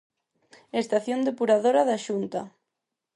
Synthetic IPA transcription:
est̪aθjond̪epuɾaðoɾaðaʃunt̪a

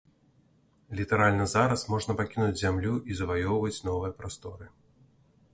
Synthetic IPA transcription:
lʲit̪ɐɾalʲnɐzaɾɐsmɔʐnɐpakʲinud͡zʲzʲamlʲuʔizɐvajɔwvɐt͡sʲnɔvɨjɐpɾast̪ɔɾɨ

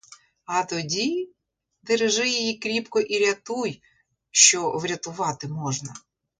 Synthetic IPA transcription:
ɐt̪ɔdʲi | d̪eɾeʒɪjɪjikɾʲipkɔʔiɾʲɐt̪uj | ʃt͡ʃɔʋɾʲɐt̪ʊʋɑt̪ɪmɔʒnɐ

